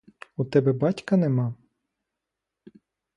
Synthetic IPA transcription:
ut̪ɛbɛbɑtʲkɐnɛmɑ

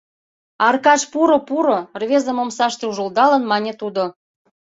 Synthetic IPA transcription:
ɑrkɑʃpuɾopuɾorβʲezə̆momsɑʃt̪euʒold̪ɑlənmɑnʲet̪ud̪o

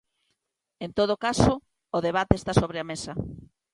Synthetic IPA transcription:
ent̪oð̞okasoː | ðeβ̞at̪eːst̪asoβɾeamesɐ

